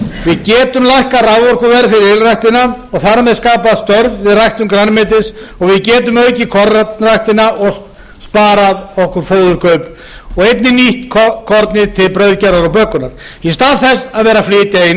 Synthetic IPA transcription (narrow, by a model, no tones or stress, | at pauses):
vɪðcɛːt̪ʏmlajhkarawvɔɾ̥kʏvɛːɾfɪɾɪɾɪlrajht̪ɪnaɔɣθaɾmɛðskaːpaðst̪œɾvvɪðrajht̪ʏmkɾanmɪːt̪ɪsɔɣvɪðcɛːt̪ʏmœɥcɪkʰɔɾanrajht̪ɪnaʔɔɣs | spaːɾaðɔhkʏɾfoːwðʏɾ̥kʰœɥp | ɔɣejt̪nɪniht̪kʰkʰɔɾt̪nɪt̪ʰɪlpɾœɥðcaɾaɾawpœːhkʏnaɾ̥ | ist̪aːðθɛsaðvɛːɾaflɪːt̪jai